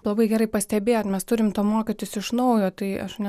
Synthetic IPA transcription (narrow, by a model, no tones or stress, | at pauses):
lˠɐbɐɪɡʲɛrɐɪpɐsʲt̪ʲɛbʲeːt̪mʲɛst̪ʊɾʲɪmt̪oːmoːkʲɪt̪ʲɪsɪʃnɐʊjoːt̪ɐɪɐ̰ʃnʲɛ